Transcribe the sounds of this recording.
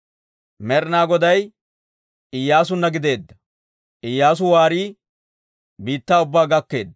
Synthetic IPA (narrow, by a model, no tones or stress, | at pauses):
mɛɾnaːɡɔd̪ɐj | ʔɪjːaːs̬ʊnːɐɡɪd̪e̞ːd̪ːɐ̥ | ʔɪjːaːs̬ʊwaːɾiː | biːt̪ːaːʊbːaːɡɐkːe̞ːd̪ːɐ